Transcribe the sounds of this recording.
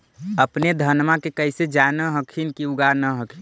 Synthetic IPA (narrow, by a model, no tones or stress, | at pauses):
əpned̪ʱənmakekəɪsed͡ʒanəɦəkʰinkiuɡaɾnəɦəkʰin